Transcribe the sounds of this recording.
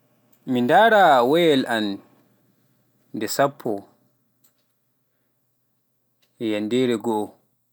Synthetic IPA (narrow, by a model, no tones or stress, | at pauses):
mindaːɾawɛjɛlʔan | dɛsapʰːɔ | jandɛːɾɛɡɔʔɔ